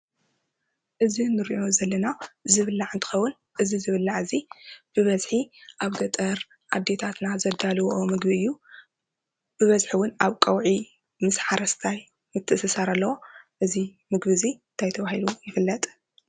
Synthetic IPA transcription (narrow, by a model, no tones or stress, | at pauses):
ʔɨzinɨɾiʔo̞zɐlːɐnazɨβɨlːaʕɨnt̪ʰɨ̥xɐwːʊn | ʔɨzizɨβɨlːaʕɨzib̥ɨβɐzħiʔaβɡɐt̪ʼɐɾ | ʔad̪ːe̞t̪ʰat̪nazɐd̪alɨwomɨɡbiɨjːu | b̥ɨβɐzħiwʊnaβkʼɐwʕi | mɨsħaɾɐst̪ʰaj | mɨt̪ʰːɨsɨsaɾalːɐwo̞ʔɨzi | mɨɡβɨzint̪ʰajt̪ʰɐβahilujɪfɨlːɐt̪ʼ